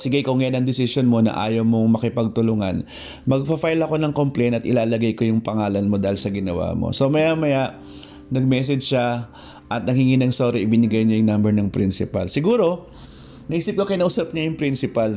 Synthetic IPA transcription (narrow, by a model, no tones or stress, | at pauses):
sɪɡajkoŋɐjanɐŋd̪ɪsɪsjonmo̞nɐ̰ʔa̰ːjowmoŋmɐkɪpɐɡ̚t̪ʊlʊŋɐ̰n | mɐɡ̚pɐfajlɐko̞nɐŋko̞mplɛjnɐt̪ʔɪlaːlɐɡajko̞jʊŋpɐŋaːlɐnmo̞d̪aːhɪlsɐɡɪnɐwa̰ːmo̰so̞mɐjamɐjaʔ | nɐɡ̚mɛːsɛd͡ʒʃa | ʔɐt̪̚nɐŋhɪŋinɐŋsoɾɛʔɪbɪnɪɡajɲojʊŋnambɛɹnɐŋpɾɪnsɪpɐ̰lsɪɡuːɾo̞ | nɐʔiːsɪp̚kokɐjnɐʔʊsap̚ɲajʊŋpɾɪnsɪpɐl